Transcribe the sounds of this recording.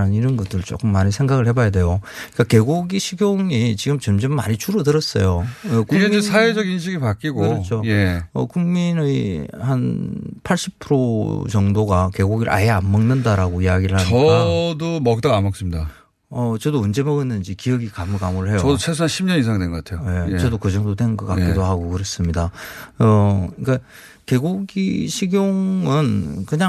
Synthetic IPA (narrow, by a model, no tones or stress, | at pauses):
aninɯnɡʌdɯɭt͡ɕo̰k͈ɯmːaɲisʰe̞ŋɡaɡɯɭhe̞bajade̞jok͈ake̞ɡoɡiɕʰiɡjoŋit͡ɕiɡɯmt͡ɕʌmd͡ʑʌmːaɲit͡ɕʰuɾodɯɾʌs͈ʌ̰joʌkuesʰaed͡ʑʌɡinɕ̬ʰiɡipak͈iɡoɯɯɾʌt͡ɕʰojeʌ̰kuŋminehanpʰaɭɕ͈ipʰɯɾot͡ɕʌŋdoɡake̞ɡuɡiɾɯ̰ʔa̰jeamːʌŋnɯndaɾaɡoijaɡiɾɯɭhaaɲiʌkadomʌk̚t͈ʌamʌk̚s͈ɯmɲida | ʌt͡ɕʌdoɯnd͡ʑe̞mʌɡinːɯnd͡ʑikiʌɡikamukamuɾɯɭɦe̞joʌdot͡ɕʰesʰuanɕʰimɲʌnisʰaŋdwenɡʌk͈atʰeojet͡ɕʌdokɯd͡ʑʌŋdodwe̞nɡʌk͈ak͈idoɦaɡokɯɾʌs͈ɯmɲidaʌik͈a | ke̞ɡuɡḭɕʰiɡjoŋɯnkɯɲa